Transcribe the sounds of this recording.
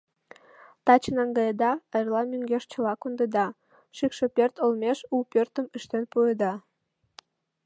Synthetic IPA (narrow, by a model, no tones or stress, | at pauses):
t̪ɑt͡ɕənɑŋɡɑjəd̪ɑɑjrlˠɑmʲyŋɡʲeʃt͡ɕə̆lɑkond̪əd̪ɑ | ʃikʃepʲørt̪olmʲeʃupørt̪ə̆məʃt̪enpujəd̪ɑ